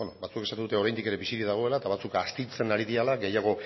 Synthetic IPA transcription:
nobat͡suekesat̪uðut̪eo̞ɾajnd̪ikeɾe̞βisiɾiðaɣ̞o̞e̞lat̪aβat͡sukast̪it͡se̞naɾiðialaɡe̞jaɣ̞o̞

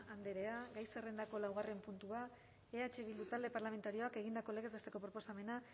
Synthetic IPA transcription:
and̪e̞ɾe̞aɡajse̞re̞nd̪ako̞lawɣ̞are̞mpunt̪ua | eat͡ʃe̞βild̪ut̪ald̪e̞paɾlame̞nt̪aɾio̞ake̞ɣ̞ind̪ako̞le̞ɣe̞z̬est̪e̞ko̞pɾo̞po̞same̞na

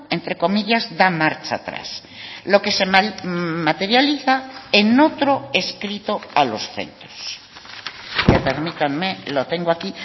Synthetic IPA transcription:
ent̪ɾe̞ko̞miʎazðamaɾt͡ʃaːt̪ɾa̰s | lo̞ke̞se̞ | mat̪e̞ɾjaliθaeno̞t̪ɾo̞e̞skɾit̪oalo̞sθe̞̰nt̪ɾoss | japeɾmit̪anmelot̪e̞ŋɡoaki

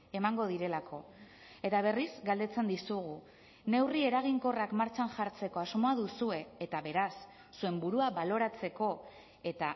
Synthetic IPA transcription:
e̞maŋɡo̞ðiɾe̞lakʰo̞ | e̞t̪aβ̞e̞rizɡald̪e̞t͡se̞nd̪isuɣ̞u | ne̞wrie̞ɾaɣ̞iŋko̞rakmaɾt͡ʃanʝaɾt͡se̞ko̞azmo̞aðusue̞ːt̪aβe̞ɾasː | ue̞mbuɾuaβalo̞ɾat͡se̞ko̞ | e̞t̪a

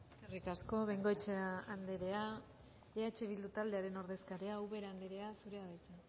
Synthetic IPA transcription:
eskerikasko̞βeŋɡo̞et͡ʃeand̪e̞ɾe̞a | eat͡ʃe̞βild̪ut̪ald̪e̞aɾe̞no̞ɾðe̞skaɾeawβe̞ɾaand̪e̞ɾe̞asuɾe̞aðajt͡se

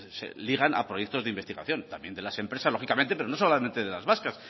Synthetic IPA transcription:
sḛliɣ̞ana̰pɾo̞jek̚t̪o̞zðeimbe̞st̪iɣa̰θjo̞nt̪ambjend̪e̞lase̞mpɾe̞saslo̞xikament̪epeono̞solamẽ̞nt̪e̞ðelazβaskas

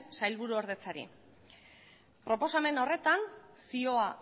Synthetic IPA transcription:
sajlβuɾuoɾð̞e̞t͡saɾḭ | pɾo̞po̞same̞no̞re̞t̪ansio̞a

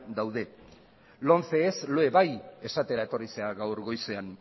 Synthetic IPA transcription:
d̪awð̞e̞ | lo̞nθe̞ːsloe̞βaje̞sat̪e̞ɾaet̪o̞rise̞aɣawɾɣo̞jse̞an

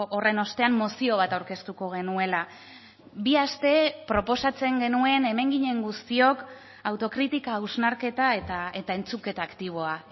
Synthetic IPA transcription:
ʔore̞no̞st̪e̞amːosio̞β̞at̪awɾke̞st̪uko̞ɣ̞e̞nue̞la | biast̪e̞pɾo̞po̞sat͡se̞ŋɡe̞nue̞ne̞me̞ŋɡiɲe̞ŋɡust̪io̞k | awt̪o̞kɾit̪ikaːwznaɾke̞t̪aet̪ae̞t̪ae̞nt͡suke̞t̪aːkt̪iβ̞o̞a

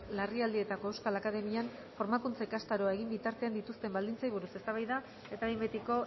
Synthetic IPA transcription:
lariald̪ie̞t̪akoe̞wskalakaðe̞mian | fo̞ɾmakunt͡saikast̪aɾo̞ae̞ɣ̞imbit̪aɾt̪e̞and̪it̪ust̪e̞mbald̪int͡sajβuɾusest̪aβ̞ajða | e̞t̪aðimbet̪iko̞

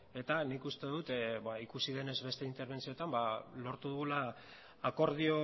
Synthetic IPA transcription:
e̞t̪anikust̪e̞ðut̪baikusiðe̞ne̞zβe̞st̪e̞int̪e̞ɾβ̞e̞nt͡siot̪ambalo̞ɾt̪uðuɣulaː | ko̞ɾðio̞

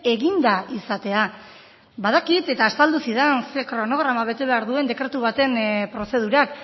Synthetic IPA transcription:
e̞ɣind̪aisat̪e̞a | baðakit̪e̞t̪aːst̪ald̪usið̞ensekɾo̞no̞ɣ̞ɾamaβ̞e̞t̪eβe̞aɾðue̞nd̪e̞kɾet̪uβ̞at̪e̞npɾo̞se̞ð̞uɾak

